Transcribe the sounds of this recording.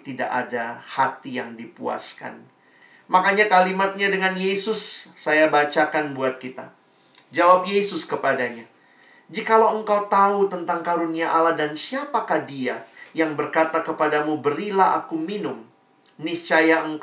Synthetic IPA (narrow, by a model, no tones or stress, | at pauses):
t̪ida̰ʔadahat̪ijaŋdipua̰ska̰n | makaɲakalimat̪̚ɲadəŋanjesʊsːajabat͡ʃakanbuat̪̚kit̪a | d͡ʒawap̚jesʊskəpadaɲa | d͡ʒikalawəŋkawt̪aut̪ənt̪aŋkaɾuniaʔalahdansiapakahdiajaŋbərkat̪akəpadamubəɾilaɦa̰kuminʊm | nɪst͡ʃajaəŋk